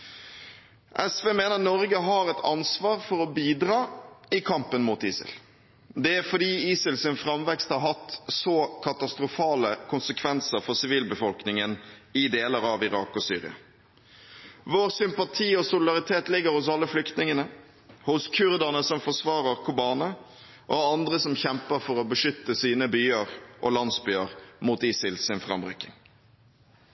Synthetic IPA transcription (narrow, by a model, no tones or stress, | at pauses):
ʔɛsʋeːmeːnənɔɾɡəɦɑɾɛt̪ʰɑ̰nsʋɑːʁfɔɾɔbiːd̪ɾɑːɪkʰɑmpənmuːt̪ḭːsə̰l | d̪ɛæɾfɔd̪iːiːsəlsɪnfʁɑmʋɛkst̪hɑɾɦɑt̪sɔkʰɑt̪ɑst̪ɾʊfɑːləkʰʊnsəkʰʋɛnsəɾfɔʁsɪʋiːlbəfɔlknɪŋənɪd̪eːləɾɑʋɪʁɑ̰ːkɔsy̰ːʁɪ̰ɑ̰ | ʋoːʁsʏmpɑt̪ʰiːɔsʊlɪd̪ɑʁɪt̪ʰeːt̪lɪɡːəɾhʊsɑlːəflʏkt̪nɪŋənə | hʊskʰʉʁd̪əʁnəsɔmfɔsʋɑːʁəʁkʰʊbɑːnə | ʔoɑnd̪ʁəsɔmçɛmpəʁfɔʁɔbəʂʏt̪ːəsiːnəbyːəʁʔɔ̰lɑnsbyːəʁmuːt̪ɪːsɪlsɪnfʁɑ̰mbʁʉkːɪŋ